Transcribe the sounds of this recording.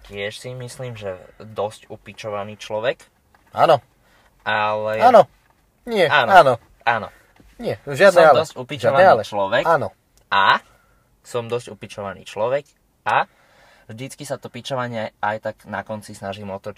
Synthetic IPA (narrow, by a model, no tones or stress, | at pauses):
cɪɛʃsimisliːmʒɛd̪ɔscupit͡ʃɔʋaniːt͡ʃlɔʋɛk | aːnɔ | alɛaːnɔ | ɲɪɛaːnaːnɔ | ʔaːnɔ̰ | ɲɪɛʒɪadsnɔɛmalɔsupiʒt͡ʃaʋaɛalɛt͡ʃlɔʋɛkːnɔ | ʔa | sɔmd̪ɔscupit͡ʃɔʋanḭːt͡ʃlɔʋɛk | a | vʒd̪it͡skisat̪ɔpit͡ʃɔʋaɲɪɛajt̪aɡ̥nakɔnt͡sisnaʒiːmɔt̪ɔ